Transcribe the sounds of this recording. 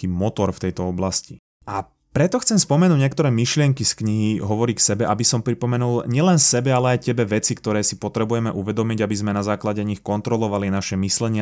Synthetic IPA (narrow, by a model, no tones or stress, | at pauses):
iːmɔt̪ɔɾft̪ɛjt̪ɔɔblasci | ʔa | pɾɛt̪ɔxt͡sɛmspɔmɛnuːɟɲjɛkt̪ɔɾɛːmiʃlɪɛŋkiskɲiɦiɦɔʋɔɾiːksɛbɛʔabisɔmpɾipɔmɛnulɲɪɛlɛnsɛbɛalɛajcɛbɛʋɛt͡sikt̪ɔɾɛːsipɔt̪ɾɛbujɛmɛʔuʋɛd̪ɔmiɟabizmɛnazaːklaɟɛɲixkɔnt̪ɾɔlɔʋalinaʃɛmislɛɲɪa